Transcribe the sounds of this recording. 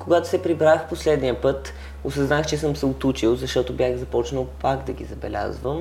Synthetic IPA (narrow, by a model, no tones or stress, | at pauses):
koɡat̪o̥sɛpɾibɾaxposlɛd̪nijəpɤt̪ | osɐznaxt͡ʃɛsɤmsɛot̪ut͡ʃilˠzɐʃt̪ɔt̪obʲjaxzɐpɔt͡ʃnəlˠpaɡd̪ɐɡʲḭzɐbɛ̰lʲa̰zvəm